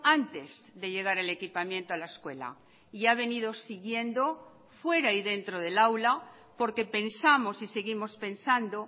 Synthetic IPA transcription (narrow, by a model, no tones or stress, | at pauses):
ant̪e̞zðe̞ʎe̞ɣ̞aɾele̞kipamjẽ̞nt̪oalaeskwe̞la̰ | iaβ̞e̞niðo̞siɣje̞nd̪o̞ | fwe̞ɾaiðe̞nt̪ɾoð̞e̞lawla | po̞ɾke̞pe̞nsamo̞sise̞ɣimo̞spe̞nsand̪o